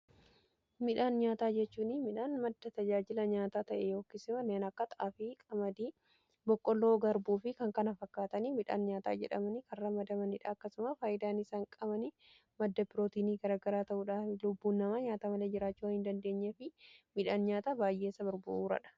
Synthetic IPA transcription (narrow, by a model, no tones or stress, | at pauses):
mɪᶑaːnɲaːt̪aːd͡ʒɛt͡ʃːuːnɪmɪᶑaːnmɐd̪ːɐt̪ɐd͡ʒaːd͡ʒɪlɐɲaːt̪aːt̪ɐʔɛjoːkːɪsɪmɐneːnɐkːɐt̪ɐʔaːfɪkʼɐmɐd̪iː | bɔkʼːɔlːoːɡɐɾbuːfɪkɐŋkɐnɐfɐkːaːt̪ɐniːmɪᶑa̰ːnɲaːt̪a̰ːd͡ʒɛᶑɐ̰mɐnikɐrrɐmɐd̪ɐmɐnɪᶑaːɐkːɐsʊmɐfaːʔɪd̪aːnɪsaːŋkʼɐbɐnɪ | mɐd̪ːɐbɪɾoːt̪iːniːɡɐɾaːɡɐɾaːt̪ɐʔuːᶑaːflʊbːuːnːɐmaːɲaːt̪aːmɐleːd͡ʒɪɾaːt͡ʃːuːɐhɪnd̪ɐnd̪e̞ːɲːefɪmɪᶑaːnɲaːt̪aːbaːjʔe̞ːsɐbɐɾbʊ̰ʔuːɾɐ̰ᶑɐ̥